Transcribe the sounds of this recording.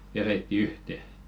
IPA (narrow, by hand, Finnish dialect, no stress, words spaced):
ʋeretːi yhte